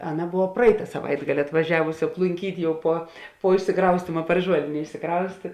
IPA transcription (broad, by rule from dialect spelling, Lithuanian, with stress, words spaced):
ˈɑːˌnɐ ˈboːʋɐ ˈprɐɪtɐ sɐˈʋɐɪdɡɐlʲɪ ɐtʋɐˈʒʲæːʋʊsʲɪ ɐplˠʊŋʲˈkʲiːtʲ ˈjɛʊ puɔ puɔ ɪʃʲsʲɪˈkrɐʊsʲtʲiːmɐ pɐr ˈʒuɔlʲeːnʲeː ɪʃʲsʲɪˈkrɐʊsʲtʲeː